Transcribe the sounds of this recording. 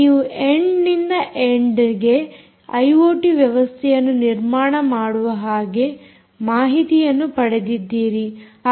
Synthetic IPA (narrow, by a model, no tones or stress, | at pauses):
iːuʔeɳɖnind̪ɐʔeɳɖɐɾiɡe̞ | ɐjʋoːʈiʋjɐʋɐst̪ʰɛjɐnːuniɾmaːɳɐmaːɽuʋɐɦaːɡe̞ | maːɦit̪ijɐnːupɐɽe̞d̪id̪ːiːɾi